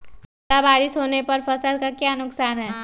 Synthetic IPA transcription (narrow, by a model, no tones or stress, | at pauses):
abaːɾɪsɦoːnepɐɾfɐsəlkakjanʊksaːnɦɛː